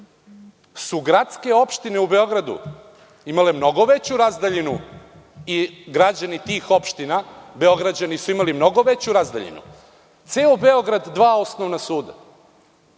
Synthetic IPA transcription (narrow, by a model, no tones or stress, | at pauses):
suɡɾat̪ske̞o̞pʃt̪ine̞ube̞o̞ɡɾad̪ṵ | imalemno̞ɡo̞ʋet͡ɕuɾazd̪aʎinu | iɡɾad͡ʑanit̪iːxo̞pʃt̪inabe̞o̞ɡɾad͡ʑanisuimalimno̞ɡo̞ʋe̞t͡ɕuɾazd̪aʎḭnṵ | t̪seːobe̞o̞ɡɾad̪ːʋaːo̞snoʋnasuːd̪a̰